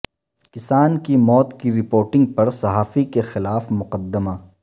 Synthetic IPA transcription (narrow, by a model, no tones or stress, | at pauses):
kɪsaːnkimɔːt̪kiɾɪpoːɾʈɪ̃ŋɡ̚pɐɾsɐɦaːfikexɪlaːfmʊqəd̪ːəmaː